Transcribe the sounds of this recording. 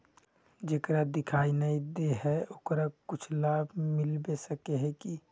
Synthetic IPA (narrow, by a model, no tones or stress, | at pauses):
d͡ʒeːkəɾad̪ɪkʰaːinəid̪eɦɛoːkɾakʊt͡ʃʰlaːbʱmɪlbesəkeɦɛki